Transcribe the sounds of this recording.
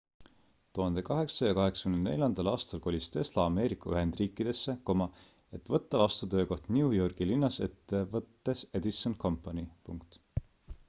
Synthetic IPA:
t̪uhɑnd̪̥e̞kɑɦe̞ksɑjɑkɑɦe̞ksɑ̥kymnenne̞̰lʲjɑnd̪̥ɑlɑːst̪ɑlko̞lʲist̪e̞slɑɑme̞ːɾikːˑɑyɦe̞nd̪̥riːkːˑid̪̥e̞sːe̞ko̞mɑe̞t̪ːvɤt̪ːɑvɑst̪ut̪ø̞ːko̞ht̪niujo̞rɡ̥ilinːɑset̪ːe̞vɤt̪ːe̞se̞d̪̥isːonkʰo̞mpːˑɑnʲipuŋkt̪

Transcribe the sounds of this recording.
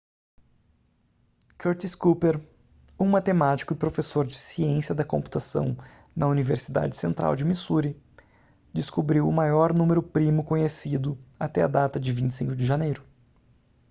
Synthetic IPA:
keɾt͡ʃ̪iskupeɾ | umat̪emat͡ʃi̥kʊɪpɾofesoɾd͡ʒɪsiẽsjɐd̪ɐkõmpu̥t̪asɐ̰̃w̃ | nɐuniveɾsid̪a̰d͡ʒɪ̥sẽnt̪ɾa̰wd͡ʒɪmisuɾɪ | d͡ʒ̪ɪskubɾiwʊmajɔɾnũmeɾʊpɾimʊkõɲesid̪ʊat̪ɛɐ̰d̪at̪ɐd͡ʒɪvĩnt͡ʃɪ̥sĩŋkʊd͡ʒɪʒɐnejɾʊ

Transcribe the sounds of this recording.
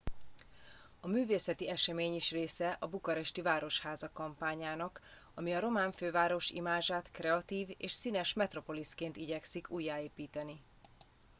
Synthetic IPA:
ɒmyːveːsɛt̪iɛʃɛmeːɲiʃreːsɛʔɒbukɒɾɛʃt̪ivaːɾo̞ʃhaːzɒkɒmpaːɲaːnɒk | ɒmiɒɾo̞maːɱføːvaːɾo̞ʃḭmaːʒaːt̪krɛɒt̪iːveːʃsinɛʃmɛt̪ro̞po̞liskeːnt̪iɟɛksikuːjːaːeːpiːt̪ɛni

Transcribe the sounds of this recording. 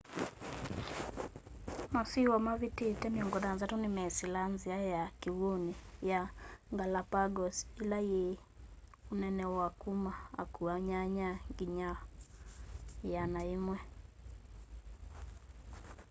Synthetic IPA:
masiwamaβitetɛmiɔŋɡɔdanzatunimɛsilanziajakiwonijaŋɡalapaɡɔsilaje | unɛnɛwakumaa̰kuaɲaɲaŋɡiɲa | janaimwɛ

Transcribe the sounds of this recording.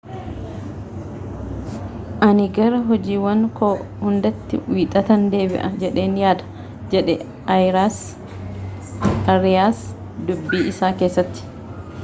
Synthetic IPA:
ʔɐnɪɡɐɾɐɦɔd͡ʒiːwɐŋkoːhʊnd̪ɐt̪ːɪ̰wiːt̪ʼɐt̪ɐnd̪e̞ːbɪ̰ʔɐd͡ʒɛᶑe̞ːnjaːd̪ɐ̥ | d͡ʒɛᶑɛ | ɐjɾaːs | ɐɾɪjaːs | d̪ʊbːiːɪsaːke̞ːsːɐt̪ːɪ̥

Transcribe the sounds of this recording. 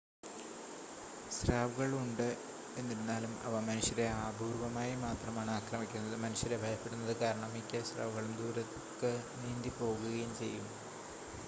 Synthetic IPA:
ɕraːʋuɣɐɭuɳɖɨ | e̞nːiɾunːaːlumɐ̰ʋɐmɐnuɕjɐɾe̞aːbʱuːrʋɐmaːjimaːt̪rɐmaːɳɨaːkrɐmikʲːunːɐðɨmɐnuɕjɐɾebʱɐjɐpːe̞ɽunːɐðɨkaːɾɐɳɐmikʲːɐsra̰ːʋuɣɐɭumd̪uːɾɐtː | kːɨniːnd̪ipo̞ːɣuɣɐjumt͡ɕe̞̰jːum

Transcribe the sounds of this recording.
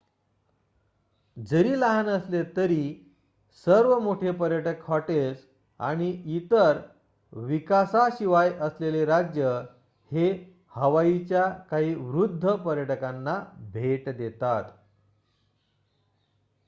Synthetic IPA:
d͡zəɾiːlaɦanəslet̪əɾiː | səɾʋəmoʈʰepəɾjəʈəkfaʈes | a̰ɽ̃iit̪əɾ | ʋikasaɕiʋajʔəsleleɾad͡ʑjə | he | həʋait͡ɕjakaɦiːʋɾud̪ʱːəpəɾjəʈəkanːabʱeʈd̪et̪at̪

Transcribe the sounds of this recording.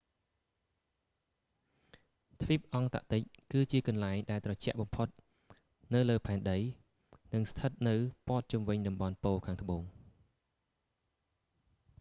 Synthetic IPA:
t̪ʰʋip̚ʔɑŋt̪a̰ʔt̪ɨc̚kɨːt͡ɕiəkɑnlaɛŋɗaɛlt̪rɑt͡ɕɛ̆əʔɓɑmpʰot̪̚ | nɨwləːpʰaɛnɗəj | nɨŋst̪ʰət̪̚nɨwpŏət̪̚t͡ɕumʋɨɲɗɑmɓɑnpoːkʰaːŋt̪ə̆ɓoːŋ

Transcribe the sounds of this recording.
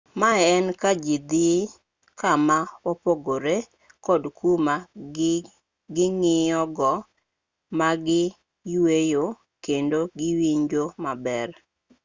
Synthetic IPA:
maɛnkad͡ʒid̪i | kamawɔpoɡoɾe | kɔdkʰuma | ɡɪŋɪjɔɡɔ | maɡɪ | jwejo | kendoɡɪwiɲd͡ʒomabɛr

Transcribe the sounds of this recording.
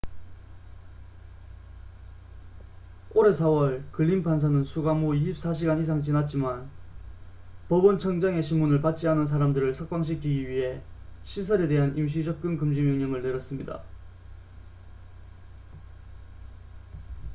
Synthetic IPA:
oɾe̞sʰawʌɭkɯɭːinpʰansʰanɯnsʰuɡamoiɕʰip̚s͈aɕ̬ʰiɡanis̬ʰaŋt͡ɕinat̚t͡ɕ͈iman | pʌbɯnt͡ɕʰʌŋd͡ʑaŋe̞ɕʰinmunɯɭpat̚t͡ɕ͈ianɯns̬ʰaɾamdɯɾɯɭsʰʌk̚p͈aŋɕ̬ʰikʰiɡiɥiɦe̞ɕʰis̬ʰʌɾe̞de̞ɦanimɕ̬ʰid͡ʑʌp̚k͈ɯnkɯmd͡ʑimjʌŋɲʌŋɯɭneɾjʌs͈ɯmɲida̰

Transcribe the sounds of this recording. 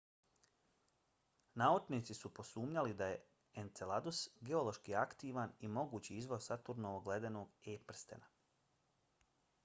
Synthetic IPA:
naut͡ʃnit̪sisupo̞suːmɲalid̪aje̞ | ent̪selad̪usɡe̞o̞lo̞ʃkiakt̪iːʋanimo̞ɡuːt͡ɕiizʋo̞jsat̪uɾnooɡled̪eno̞ːɡepr̩st̪ḛna

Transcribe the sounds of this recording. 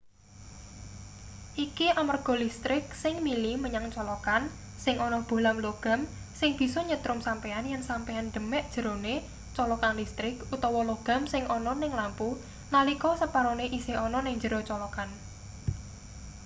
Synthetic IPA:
ʔikiʔamarɡ̥ɔ̤list̪ɾɪk̚sɪŋmiliməɲaŋt͡ʃɔlɔkan | sɪŋʔɔnɔb̥o̤lamloɡ̥a̤m | sɪŋb̥i̤sɔɲət̪ɾʊmsampeanjansampeand̪̥ə̤mɛʔd̥ʒ̥ə̤ɾone | t͡ʃɔlɔkanlist̪ɾɪkut̪ɔwɔloɡ̥a̤msɪŋʔɔnɔnɪŋlampu | nalikɔsəpaɾoneʔisehɔnɔnɪŋd͡ʒəɾɔt͡ʃɔlɔkan

